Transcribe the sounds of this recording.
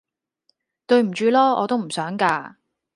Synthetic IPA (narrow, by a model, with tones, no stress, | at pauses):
t̪ɵ˧ɥm̩˨˩t͡ʃyː˨˧lɔː˥ɔ̰ː˨˧t̪o˥wm̩˨˩sœː˨˥ŋkaː˧